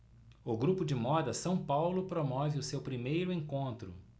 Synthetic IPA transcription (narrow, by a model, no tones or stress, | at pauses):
ʊɡɾupʊd͡ʒɪmɔd̪ɐsɐ̃w̃pawlʊpɾomɔvɪʊsewpɾimejɾʊẽkõnt̪ɾʊ̰